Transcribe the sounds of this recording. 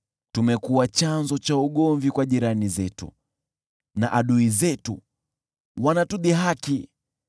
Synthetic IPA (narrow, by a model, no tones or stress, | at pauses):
tumɛkuwat͡ʃanzɔt͡ʃauɠɔɱvikwaʄiɾanizɛtṵ | naʔaɗuizɛtu | wanatuɗiɦaki